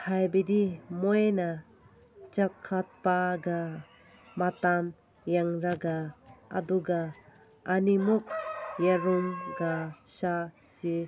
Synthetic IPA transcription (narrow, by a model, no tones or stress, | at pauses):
hajbid̪imojna | t͡ʃakʰːat̪̚paɡa | matam | jaŋɾaɡaa̰d̪uɡaː | nimuk̚jaɾumɡaʃasi